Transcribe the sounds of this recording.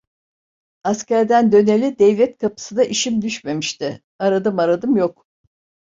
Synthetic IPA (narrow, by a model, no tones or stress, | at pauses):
ascæɾd̪ænd̪ø̞nelʲid̪ɛvlʲɛt̪kʰapʰɯ̥sɯd̪aʔiʃimd̪yʃme̞miʃt̪ɪ | aɾad̪ɯmaɾad̪ɯmjok